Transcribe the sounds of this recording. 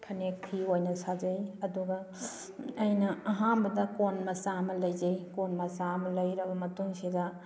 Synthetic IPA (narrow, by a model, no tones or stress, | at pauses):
pʰɐnek̚pʰiojnɐsad͡ʒɐjɐduɡɐ | ɐjnɐɐɦambɐdɐkonmɐsamɐlɐjd͡ʒɐjkonmɐsamɐlɐjɾɐbɐmɐtuŋsidɐ